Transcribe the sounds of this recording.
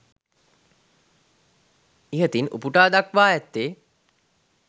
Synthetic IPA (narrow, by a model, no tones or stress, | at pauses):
iɦət̪inṵpuʈaːd̪akʋaːɛt̪ːeː